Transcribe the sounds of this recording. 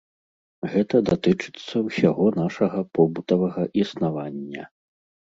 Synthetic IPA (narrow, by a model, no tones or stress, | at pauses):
ɣɛt̪ɐd̪at̪ɨt͡ʂɨ̥t̪sːɐwsʲaɣɔn̪aʂɐɣɐpɔbut̪ɐvɐɣɐʔisnavanʲːɐ̰